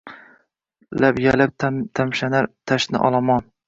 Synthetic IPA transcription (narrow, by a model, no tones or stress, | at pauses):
lapjalap̚t̪ʰamʃanaɾt̪ʰaʃnɪ̰ʔɒ̰lˠɒmɒn